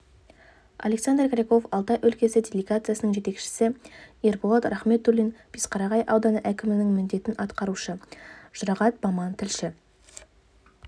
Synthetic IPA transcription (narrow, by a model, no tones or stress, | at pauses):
ɑ̰lʲe̞ksand̪rkʲɾʲeko̞fɑlˠt̪ɑʔɵlkʲe̞sɪdʲelʲeɡat̪sɨjasənəɴʒe̞t̪e̞kʃɪ̥sɪerbolˠɑt̪rɑχme̞t̪ːulijnpisqɑɾɑʁɑjʔɑwd̪ɑnəʔækʲɪmɪnɪŋmʏnd̪e̞t̪ɪnʔɑt̪qɑɾuʃəʒ̥ʊɾɑʁɑt̪̚bɑmɑnt̪ʰɪlʃɪ